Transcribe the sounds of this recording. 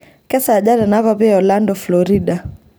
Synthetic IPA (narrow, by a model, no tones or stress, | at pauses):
kɛsaʄaɾanavapiaɔlandɔflɔɾiɗa